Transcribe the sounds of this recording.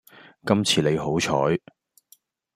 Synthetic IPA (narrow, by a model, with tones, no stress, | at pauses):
kɐ˥mt͡sʰiː˨˧le˨˧jɦo˨˥wt͡ʃʰɔː˨˥j